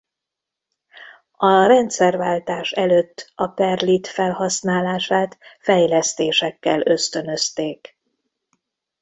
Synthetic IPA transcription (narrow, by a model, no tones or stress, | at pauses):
ɒrɛnt̪sɛrvaːlt̪aːʃɛløːt̪ːɒpɛrlit̪fɛlhɒsnaːlaːʃaːt̪fɛjlɛst̪eːʃɛkːɛlø̞st̪ø̞nø̞st̪eːk